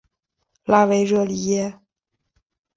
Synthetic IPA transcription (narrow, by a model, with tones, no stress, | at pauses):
la˥we˧˥ɪɻɤ˥˩li˨˩jɛ˥